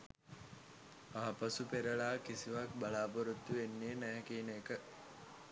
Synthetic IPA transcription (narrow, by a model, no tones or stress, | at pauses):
aɦapɐsupeɾɐɭaːkisiʋak̚balaːpoɾut̪ːuʋenːiənæɦɛkiːneːkə